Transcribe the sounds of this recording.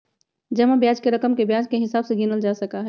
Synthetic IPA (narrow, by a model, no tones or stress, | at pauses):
d͡ʒɐmabjaːd͡ʒkeɾɐkəmkebjãːd͡ʒkeɦɪsaːbseɡinəld͡ʒaːsəkaɦɛː